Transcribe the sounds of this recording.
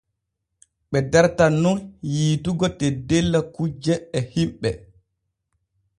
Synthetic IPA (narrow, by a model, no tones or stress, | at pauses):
ɓɛdɛɾtanːunjiːtuɡɔtɛdelːakud͡ʒɛɛhimɓɛ